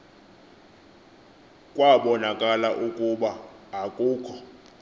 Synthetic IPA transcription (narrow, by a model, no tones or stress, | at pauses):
kʼwaɓɔnakʼalaʔukʼuɓaːkʼuːkʰɔ̥